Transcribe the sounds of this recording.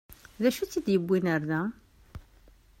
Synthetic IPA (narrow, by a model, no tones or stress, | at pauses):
ðæʃut͡sːid̪jəbːinəɾðæ